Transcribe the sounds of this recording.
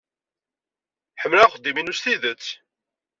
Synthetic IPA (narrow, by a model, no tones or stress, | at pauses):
ħəmːlæχəd̪ːiminusθiðət͡sː